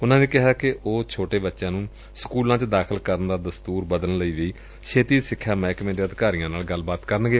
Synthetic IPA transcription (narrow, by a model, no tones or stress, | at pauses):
ʊnãːneːkɪɦaːkɪoːt͡ʃʰoːʈeːbətːʃãːnũː | sə̥kuːlãːt͡ʃd̪aːkʰəlkəɾənd̪aːd̪əst̪uːɾbəd̪ənləiːʋeiː | ʃʰeːt̪iːsɪkʰːaːmɛ̃ːɪkmeːɾeːəd̪kaːɾiːãːnaːlɡəlbaːt̪kəɾənɡeː